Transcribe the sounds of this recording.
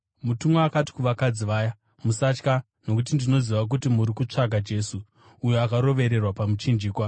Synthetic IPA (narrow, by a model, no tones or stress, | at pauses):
mutumaakati̥kuʋakad͡ziʋaːja | musat͡ʃka | no̞kut̬indino̞ziʋak̬utimuɾikut͡ʂaɡʱad͡ʒe̞ːsuː | joakaɾo̞ʋe̞ɾe̞rwapamut͡ʃind͡ʒiːkwa